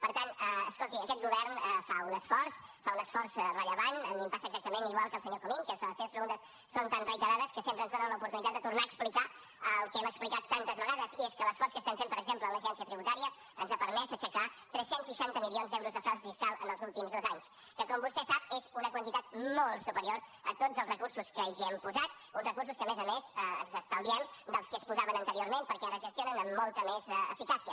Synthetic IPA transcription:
pəɾt̪anəəskolˠt̪iəkɛt̪̚ɡuβɛrnəfaunəsfɔrs | faunəsfɔɾsrəʎəβanənimpasəːɡzak̚t̪əmeniɣwalˠkəlˠsəɲok̪omiŋkɛsələseβəspɾəɣunt̪əs | sont̪anrəjt̪əɾaðəskəsempɾənzðonənləupuɾt̪unit̪at̪d̪ət̪uɾnaəksplika | əlˠkɛməksplikat̪ːant̪əzβəɣaðəzieskələsfɔrskəst̪ɛmfempəɾəɡzempləːləʒɛnsiət̪ɾiβut̪aɾiə | ənzapəɾmɛzəʃəkat̪ɾɛsensiʃant̪əmilionzd̪ɛwɾuzðəfɔnsəfiskalˠə̰nəlˠzulˠt̪imzðozaɲs | kəkɔmbust̪ɛsap̚ezunəkwənt̪it̪at̪̚mɔlˠsupəɾioɾə̰t̪od͡zəlˠrəkursuskəʒɛmpuzat̪̚ | unrəkurs̬uskəːmɛzəmezəənzəst̪alˠβiɛmd̪əlˠskəspuzaβənənt̪əɾioɾmempəɾkɛrəʒəst̪ijonənəmːɔlˠt̪əmezɛə̰fikasiə

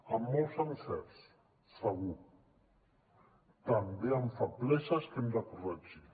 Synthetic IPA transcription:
amːɔlsansɛɾs | saɣu | t̪ambeamfaplɛʃaskemd̪apɾuad͡ʒi

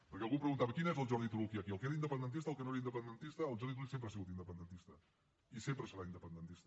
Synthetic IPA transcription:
pəɾkɛəlˠɣupɾəɣunt̪aβəkinɛzəlˠʒɔɾðit̪uɾukiəkiəlkeɾind̪əpənd̪ənt̪̬ist̪əlˠkənoeɾəind̪əpənd̪ənt̪ist̪əːlˠʒɔɾðit̪uɾuksempɾasiɣut̪ind̪əpənd̪ənt̪ist̪ə | isempɾəsəɾaind̪əpənd̪ənt̪ist̪ə

